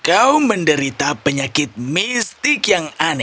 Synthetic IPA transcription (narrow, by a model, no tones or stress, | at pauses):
kauməndəɾit̪apəɲakɪt̪̚mist̪ɪkjaŋanɛ